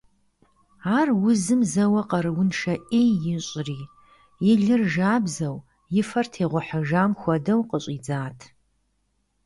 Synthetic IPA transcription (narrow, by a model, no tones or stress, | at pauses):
aːrwʊzɨmzɐwɐqɐɾɨwʊnʂɐʔeːjɪɕʼriː | jɪɮɨrʒaːbzɐw | jɪfɐrtʰeːʁʷʊħəʒaːmxʷɔdɐwqəɕʼiːd͡zaːtʰ